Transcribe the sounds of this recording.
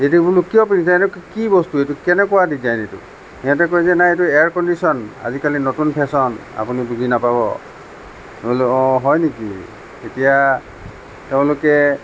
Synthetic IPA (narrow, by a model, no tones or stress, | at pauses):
etubulukːijɔpinizanɛkkibɔstuejtukɛnɛkɔwadizajnetṵ | ijatɛkojzɛnajetuɛaɹkɔndisɔna̰zikalinotunpʰɛsɔna̰punibuɡʱinapabɔ̰ | ẽlɔ̃ɦɔjnekḭ | etija | teʊ̃lʊkɛ